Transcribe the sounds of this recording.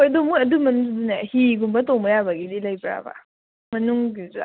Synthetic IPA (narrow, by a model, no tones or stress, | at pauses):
ojɐdumuɐdumɐnuŋsdunahiɡumbɐtowmbɐjabɐɡizilɐjbɾa̰ba̰ | mɐnuŋɡiza̰